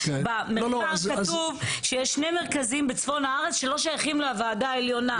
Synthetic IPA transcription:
bameooazkauvʃejɛʃːneme̞ʁkazimbet͡sfo̞nhaaʁet͡sʃelo̞ʃajaχimleavaːdaeljo̞na

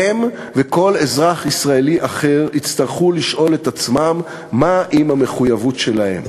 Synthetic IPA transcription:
em | veko̞le̞zʁaχisʁaeliʔaχe̞ʁit͡st̪aʁχuliʃʔo̞le̞tat͡smamː | aʔimame̞χujavutʃe̞lahe̞̰m

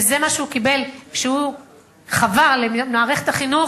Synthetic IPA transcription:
zemaʃeukibe̞lkʃehu | χavaʁlenaːʁeχet̪aχinu

